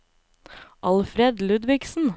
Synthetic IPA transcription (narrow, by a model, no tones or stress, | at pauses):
ʔɑlfɾɛd̪lʉd̪ʋɪksn̩